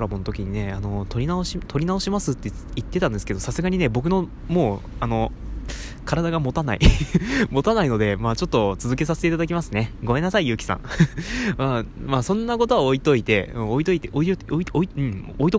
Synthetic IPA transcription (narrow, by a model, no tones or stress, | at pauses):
ɾamo̞not̪o̞kʲiɲ̟ine̞ano̞t̪o̞ɾʲinaoɕit̪o̞ɾʲinao̞ɕimasɨt̪ːe | it̪ːe̞t̪ãnd̪esɨ̥ke̞d̪o̞sasɨɡaɲ̟ine̞bo̞k̬ɯ̟no̞ | mo̞ːano̞ | kaɾad̪aɡamo̞t̪ana̰ḭmo̞t̪anaino̞d̪e̞maːt͡ɕo̞t̪ːo̞t͡sɨzɨke̞saseteit̪ad̪akʲimasɨneɡo̞me̞nːasaijɯ̟ːkʲi̥sã̰ŋ | mamaːsõ̞nːako̞t̪o̞aːit̪o̞it̪e̞ɯ̃ːoit̪oit̪eʔoieioiɯ̃oit̪o